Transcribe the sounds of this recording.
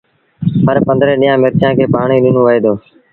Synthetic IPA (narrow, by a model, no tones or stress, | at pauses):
ɦəɾpə̃nd̪ɾeːɗijãːmɪɾkjãːkʰeːpaːɳ̃iːɗɪnõːʋəeːd̪oː